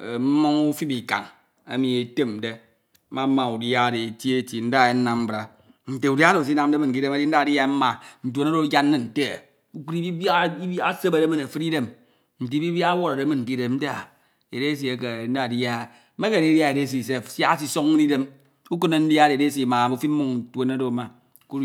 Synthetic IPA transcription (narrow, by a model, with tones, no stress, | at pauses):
e˨m̩˦mo˦ŋu˦fi˦bi˨ka̰˨ŋ | a̰˦mi˨e˨te˦m̩˨de˦ | ma˦ma˨u˨dja˦de˨e˨tje˦˨˦ti˨n̩˦da˦˨e˦n̩˦na˨mm̩˦bɾa˨ | n̩˨te˨u˨dja˦ɾo˨s̬i˦na˨m̩˦de˦mɨ˨n̩˨ki˦de˦ma˦di˦n̩˦a˦˨di˦a˦m̩˦ma˨n̩˨tu˨o˨na˦ɾo˦d͡ʒa˦nː˦e˦n̩˨te˦˨ | u˦ku˦ɾi˦ba˦i˦a˦se˦be˨ɾe˦me˨ne˨fɨ˦ɾi˦de˦m | n̩˨ti˨˦bi˦bja˦a˦wo˦ɾa˨ɾe˨˦mɨ˨n˨k̬i˦de˨mm̩˦te˦a˨ | e˨ɾe˦s̬i˨e˨ke˨n̩˦da˦˨dja˦˨˦ | me˦ke˨ni˦dja˦e˨de˦si˨s̬e˦˨sja˦a˦s̬i˦so˦ŋ˦di˦de˦m | u˦kɨ˦ne˨n̩˦da˦de˨de˦si˦˨ma˨u˦fi˦m̩˦mu˦ŋn̩˨tʷo˨na˦do˨˦ma˨ | ku˦